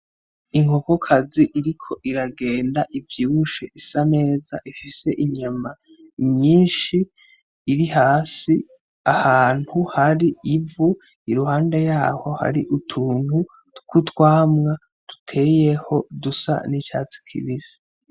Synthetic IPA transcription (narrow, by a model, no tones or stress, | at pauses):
iŋhokokʰaziʔiɾikʰo̞ʔiɾaɡe̞ːndaʔivjiːwuʃeʔisane̞ːza̰ʔifise̞ʔiɲama | ɲiːnʃiː | ɾihaːsi | ahaːn̥huhaɾiivu | iɾuhaːnde̞jaːho̞ha̰ɾiʔutʰuːn̥hu | kutwaːmŋa | d̥u̥tʰe̞je̞ho̞dusa̰nit͡ʃaːt͡si̥kʰḭβivi